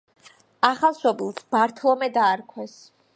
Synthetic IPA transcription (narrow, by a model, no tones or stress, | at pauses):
aχalˠʃɔbilˠsb̥aɾt̪ʰlˠɔmɛd̪aːɾkʰwɛs